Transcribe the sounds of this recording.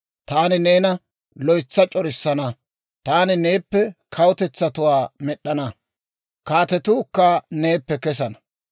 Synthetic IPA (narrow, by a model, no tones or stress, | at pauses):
t̪aːnɪneːnɐ | lɔjt͡sːɐt͡ʃʼɔɾɪsːɐnɐ | t̪aːnɪne̞ːpːɛkʰɐwʊt̪ɛt͡sːɐt̪ʊwaːmɛɗːɐnɐ | kaːt̪ɛt̪uːkːɐne̞ːpːɛkɛsɐnɐ